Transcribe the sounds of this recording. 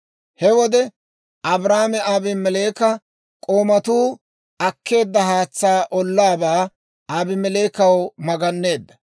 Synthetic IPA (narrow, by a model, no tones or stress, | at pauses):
hɛwɔd̪ɛ | ʔɐbɾaːmɛaːbɪmɛle̞ːkɐ | kʼoːmɐt̪uː | ɐkʰːe̞ːd̪ːɐhaːt͡sːaːʔɔlːaːbaː | aːbɪmɛle̞ːkɐwmɐɡɐnːe̞ːd̪ːɐ